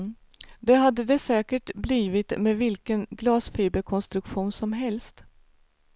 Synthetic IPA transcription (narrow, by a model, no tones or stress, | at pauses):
d̪ɛɦad̪ːəd̪ɛsɛːkəʈbliːvɪt̪meːvɪlkənɡlɑːsfiːbəɾkʰɔnst̪ɾɵkɧuːnsɔmɦɛlst̪